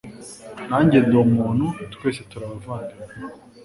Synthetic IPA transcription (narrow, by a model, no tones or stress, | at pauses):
naːɲɟendoumuːn̥hutkwe̞ːsetuɾaβavaːndiɾ